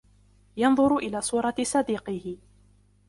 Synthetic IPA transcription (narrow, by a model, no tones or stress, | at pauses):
jɑnðˤʊɾʊʔɪlaːsˤuːɾˤɑsˤɑd̪iːqɪhɪ